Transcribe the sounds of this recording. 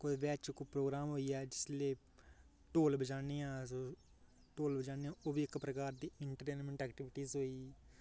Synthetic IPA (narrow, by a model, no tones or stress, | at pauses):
koʋɛːt͡ʃkoːpɾoːɡɾaːmɦoːiːɛːd͡ʒɪsleː | ʈoːlbəd͡ʒaːneːãːsoː | ʈoːlbəd͡ʒaːneːãːoːbiɪkpɾəkaːɾd̪iːɪɳʈəɾʈeːnmẽɳʈɛːkʈɪʋɪʈiːzɦoːiː